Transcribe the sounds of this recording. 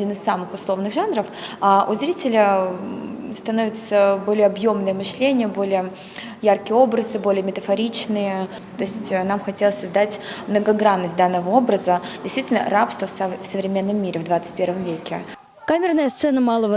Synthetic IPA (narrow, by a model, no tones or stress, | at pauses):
dʲinɨsːamɨxʊslˠo̞vnɨɣʐanɾəfaʔʊzɾʲitʲɪlʲə | st̪ɐnovʲɪt̪səbo̞lʲɪjəɐbjo̞mnɨjəmɨʂlʲenʲɪjəbo̞lʲɪjə | jarkʲɪjəo̞bɾəzɨbo̞lʲɪəmʲɪt̪əfɐɾʲit͡ɕnɨjə | t̪o̞ɪsʲtʲnamxɐtʲelˠəsʲsɐzd̪atʲmnəɡɐɡɾanːəsʲt̚ʲd̪anːəvəo̞bɾəzədʲɪst̪vʲitʲɪlʲnə̰rapst̪vəsfsəvɾʲɪmʲe̞nːəmːʲiɾʲɪvd̪vat̪sɨ̥tʲpʲe̞rvəmvʲekʲɪ | kamʲɪrnəjəst̪sɛnəmalˠəvə